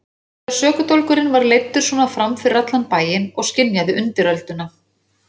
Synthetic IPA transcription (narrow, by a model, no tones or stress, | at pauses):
aɾ̥sœːkʏt̪owlkʏɾɪnvaɾlejt̪ːʏɾ̥sɔːnafɾamfɪɾrat̪lanpaːjɪnɔɣscɪnjaðɪʔʏnt̪ɪɾœlt̪ʏna